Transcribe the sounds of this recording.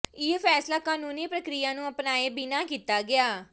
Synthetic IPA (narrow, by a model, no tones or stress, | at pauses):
ɪːpʰɛːslaːkaːnuːniːpɾəkɾijãːnũːəpnaːeːbinaːkiːt̪aːɡɪaː